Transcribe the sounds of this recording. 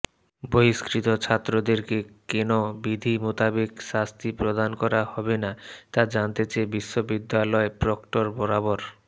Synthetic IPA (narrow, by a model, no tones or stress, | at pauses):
boiskɾit̪ot͡ɕʰat̪ːɾod̪eɾkekenobid̪ʱimot̪abekʃast̪ʰipɾod̪ankɔɾahɔbenat̪ad͡ʑant̪et͡ɕebiʃːobid̪ːalɔepɾɔkʈoɾbɔɾaboɾ